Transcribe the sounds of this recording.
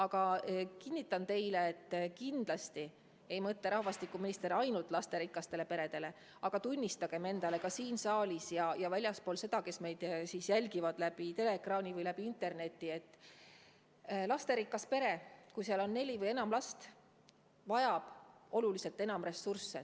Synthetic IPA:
ɑɡɑkinʲːit̪ːˑɑnt̪e̞jleːt̪ˑːkind̪̥lɑst̪i | e̞jmɤt̪ːeɾɑhvɑst̪ikːˑuminist̪e̞ɾɑjnult̪ːˑlɑst̪e̞ɾikːˑɑst̪e̞le̞pe̞ɾe̞d̪̥e̞le̞ | ɑɡ̥ɑt̪unʲːist̪ɑɡ̥e̞me̞nd̪ɑle̞kɑsiːnsɑːlʲisjɑjɑvælʲjɑspoːlse̞d̪ɑke̞sme̞jd̪̥siːsjælʲɡivɑd̪̥læb̥it̪e̞le̞krɑːnʲivɤjlæb̥iint̪e̞rne̞t̪ːˑie̞t̪ːˑ | lɑst̪e̞ɾikːˑɑspe̞ɾe̞kujseɑlo̞nːe̞lʲivɤjenɑmlɑst̪ | vɑjɑb̥o̞lulise̞lt̪ːˑe̞nɑmre̞sursːe̞

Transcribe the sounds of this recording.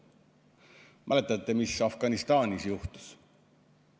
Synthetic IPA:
mæle̞t̪ːˑɑt̪ːe̞misɑfɡ̥ɑnist̪ɑːnisjuht̪u̥s

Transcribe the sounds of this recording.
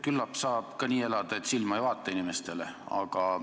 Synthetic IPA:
kylːɑpsɑːb̥kɑniːe̞lɑd̪̥ɑe̞t̪silmɑejvɑːt̪ˑːɑinime̞st̪e̞leɑ̰ɡ̥ɑ

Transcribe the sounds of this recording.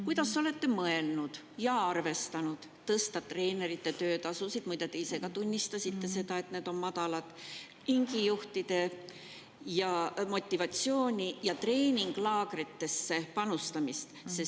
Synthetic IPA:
kujd̪̥ɑso̞le̞t̪ːe̞mɤe̞lnud̪̥ | jɑɑrve̞st̪ɑnud̪̥ːɤst̪ɑt̪re̞ːne̞ɾit̪ːˑe̞t̪ø̞ːt̪ɑsusid̪̥mujd̪ɑt̪eise̞ɡ̥ɑt̪unʲːist̪ɑsʲit̪ːe̞se̞d̪ɑe̞t̪ne̞ːd̪̥o̞nmɑd̪̥ɑlɑt̪ˑ | iŋɡijuht̪id̪̥e̞ | jɑmo̞t̪ʲːˑivɑt̪sjo̞ːnʲijɑt̪re̞ːnʲiŋɡ̥lɑːɡɾet̪ːe̞sːe̞pɑnust̪ɑmist̪se

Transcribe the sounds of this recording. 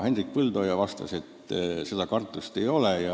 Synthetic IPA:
he̞nrik̚pɯld̪o̞ːjɑvɑst̪ɑ̰se̞t̪ːse̞d̪ɑkɑrt̪ːˑust̪e̞jo̞lejɑ

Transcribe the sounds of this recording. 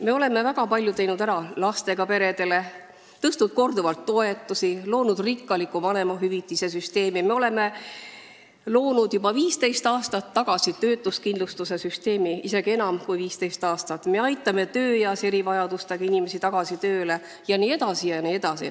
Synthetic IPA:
me̞o̞le̞mevæɡ̥ɑpɑlʲjut̪e̞jnud̪æɾɑlɑst̪e̞ɡ̥ɑpe̞ɾe̞d̪e̞le̞ | t̪ɤst̪ud̪̥̚ko̞rd̪uvɑlt̪ːo̞e̞t̪ːˑusilo̞ːnud̪̥rikːɑlikːˑupɑne̞mɑɦyvit̪ːˑise̞s̬yst̪e̞ːmime̞o̞le̞me̞ | lo̞ːnud̪̥jubɑviːst̪e̞jst̪ɑːst̪ɑt̪ːɑɡ̥ɑsit̪ø̞ːt̪ːˑuskind̪lust̪use̞syst̪e̞ːmiise̞ɡie̞nɑmkujviːst̪ejst̪ɑːst̪ɑt̪ːˑme̞ɑjt̪ːˑɑme̞t̪ø̞ːjɑse̞ɾivɑjɑd̪̥ust̪eɡɑinime̞sit̪ɑɡ̥ɑsit̪ø̞ːle̞ | jɑniːe̞d̪̥ɑsijɑnie̞d̪̥ɑsḭ

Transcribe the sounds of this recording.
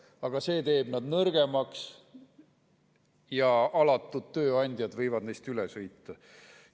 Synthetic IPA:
ɑɡ̥ɑse̞ːt̪e̞ːb̥nɑd̪nɤrɡ̥e̞mɑks | jɑɑlɑt̪ˑːud̪̥t̪ːø̞ːɑnʲd̪ʲjɑd̪̥vɤjvɑd̪̥nejst̪ylesɤjt̪ːˑɑ

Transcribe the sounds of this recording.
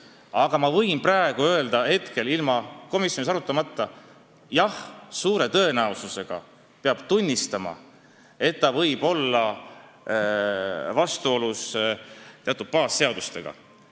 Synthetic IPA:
ɑɡ̥ɑmɑvɤjnpræe̞ɡ̥uø̞eld̪ɑhe̞t̪ke̞lilmɑko̞misˑjo̞nisɑɾut̪ːˑɑmɑt̪ːˑɑ | jɑhsuːɾe̞t̪ɤ̞e̞næosuse̞ɡ̥ɑ̰ | peɑb̥t̪unʲːist̪ɑmɑ̰ | e̞t̪ːɑvɤ̞jb̥o̞lːɑ | vɑst̪uo̞lus | t̪eɑt̪ːˑut̪̚pɑːsːeɑd̪̥ust̪e̞̰ɡ̥ɑ̰

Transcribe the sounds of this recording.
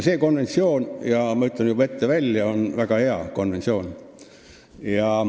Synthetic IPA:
seːko̞nʋe̞nsio̞ːnjɑmɑyt̪ˑːɑnjuve̞t̪ːeʋælʲjɑonvæɡ̥ɑheɑ̰ko̞nʋenʲt̪sʲio̞ːn | jɑ

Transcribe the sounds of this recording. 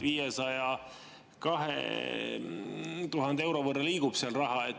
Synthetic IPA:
viːjesɑjɑ | kɑɦḛ | t̪uɦɑnd̪eewɾo̞vɤrːɑliːɡub̥seɑlrɑɦɑet̪

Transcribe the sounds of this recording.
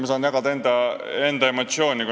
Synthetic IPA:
mesɑːnjɑɡ̥ɑd̪̥ɑe̞nd̪ɑe̞nd̪ɑe̞mo̞t̪sio̞ːnʲiku

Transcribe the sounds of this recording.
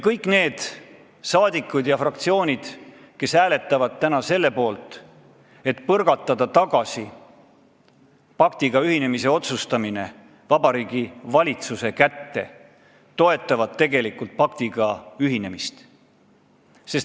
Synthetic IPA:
kɤjkːˑne̞ːd̪̥ | sɑːd̪ikːˑud̪̥jɑfrɑk̚t̪sio̞ːnʲid̪̥ | ke̞sæːle̞t̪ːˑɑvɑd̪̥̚t̪ːænɑse̞lːe̞po̞ːlt̪ˑ | e̞t̪pɤrɡ̥ɑt̪ːˑɑd̪̥ɑt̪ɑɡ̥ɑsi | pɑkt̪iɡ̥ɑyhine̞mise̞o̞t̪sust̪ɑmine̞ | vɑbɑɾiːɡ̥ivɑlʲit̪suse̞kæt̪ːe̞ | t̪o̞e̞t̪ːˑɑvɑd̪̥̚t̪e̞ɡe̞likːult̪̚pɑk̚t̪iɡ̥ɑyɦine̞mist̪ | se̞s

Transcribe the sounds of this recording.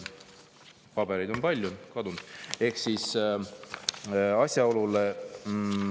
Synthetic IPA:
pɑbeɾejd̪o̞npɑlʲjukɑd̪und̪̥e̞hksis | ɑsʲjɑo̞lule

